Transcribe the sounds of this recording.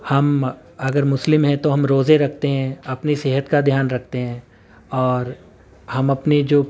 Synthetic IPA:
hɐm | ɐɡəɾmʊslɪmɦɛ̃t̪oɦɐmɾoːzeɾɐk̚ʰt̪eɦɛ̃ɐpniseːɦət̪kad̪ʱjaːnɾɐk̚ʰt̪eɦɛ̃ː | ɔːɾ | hɐmɐpnid͡ʒoː

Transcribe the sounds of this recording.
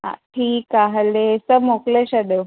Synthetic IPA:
ɦã̰ʈʰiːkaɦlesəmokleɕad̪ew

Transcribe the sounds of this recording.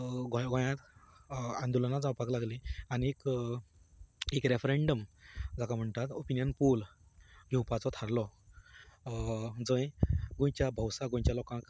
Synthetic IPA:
ɡɔ̃jɡɔ̃jãt̪ | ãnd̪ulanad͡zãwpaklaɡlianiek | ekɾefɾeɳɖəmd͡zʱakam̤əɳt̪at̪opinjənpulɡʱiwpat͡sɔt̪ʰaɾlɔ | d͡zə̃jɡõjt͡ɕjabʱəwsaɡõj̃t͡ɕjalɔkãk

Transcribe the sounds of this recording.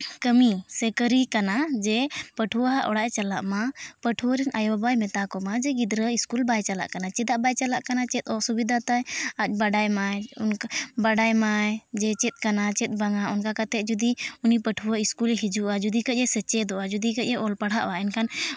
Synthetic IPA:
kəmisɛkəɾikanad͡ʒɛpəʈʰuwaɦaʔɔɽaʔt͡ʃalaʔmapəʈʰuwɔɾɛnʔajɔbajmɛt̪akɔmad͡ʒɛɡid̪ɾəiskulbajt͡ʃala̰ʔkanat͡ʃɛd̪aʔbajt͡ʃalaʔkanat͡ʃɛt̪̚ˀɔsubid̪ʱat̪ajac̪̚ˀbaɖajmajɔnbaɖajmajd͡ʒɛt͡ʃɛt̪̚kanat͡ʃɛt̪̚ˀbaŋaɔnkakat̪ɛd͡ʒud̪iunipəʈʰuwaiskulɦid͡ʒuʔad͡ʒud̪ikəc̚ˀɛsɛt͡ʃɛd̪ɔʔad͡ʒud̪ikəc̚ɛʔɔlpaɽ̤ɦaʔwaɛnkʰan

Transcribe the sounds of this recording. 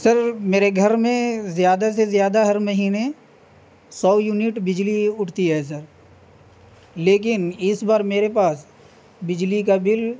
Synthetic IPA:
sɐɾmeːɾeɡʱɐɾmẽzjaːd̪asezjaːd̪aɦɐɾmɐɦiːne | sɔːjunɪʈbɪd͡ʒliʊʈʰt̪iɦɛːs̬ɐɾ | leːk̬ɪnɪsbaːɾmeːɾepaːs | bɪd͡ʒlik̬abɪl

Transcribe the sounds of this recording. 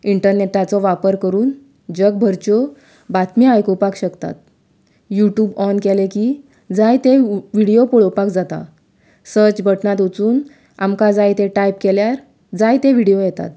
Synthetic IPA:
iɳʈəɾneʈat͡sɔʋapəɾkəɾuːn | d͡ʑək̚bʱəɾt͡ɕɔ | bat̪miajkopakɕəkt̪a̰t̪̚ | juʈjuːbɔnkelekiː | d͡zajt̪eʋiɽijopɔɭowpakd͡zat̪a̰ | səɾt͡ɕbʱəʈnat̪ut͡suːn | a̰mkad͡zajt̪eʈajp̚keljaɾ | d͡zajt̪ẽʋiɽijojɛt̪a̰t̪̚

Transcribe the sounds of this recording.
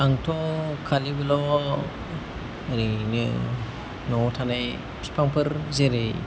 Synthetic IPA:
aŋtʰɔkʰalibɯlɔ | ɾinɯ̰ | nɔtʰanaj | spʰaŋpʰɯɾzeɾej

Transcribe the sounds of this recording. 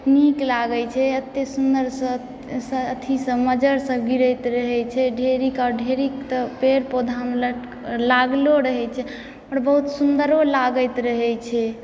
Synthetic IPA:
niklaɡɛt͡ʃʰɛət̪ːesund̪əɾsə̃ | sə̃ət̪ʰisə̃məd͡ʒəɾsə̃ɡiɾəjt̪ɾəɦɛt͡ʃʰɛɖʱeɾikaɾɖʱeɾikt̪əpeɾpod̪ʱamlə | laɡloɾəɦɛt͡ʃʰɛ | pəɾbəɦut̪sund̪əɾolaɡəjt̪ɾəɦɛt͡ʃʰɛ

